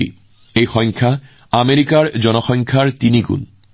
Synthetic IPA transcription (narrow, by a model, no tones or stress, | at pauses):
ḭ | ejxɔŋkʰa | ameɹikaɹd͡ʑɔnɔxɔŋkʰaɹtiniɡṵn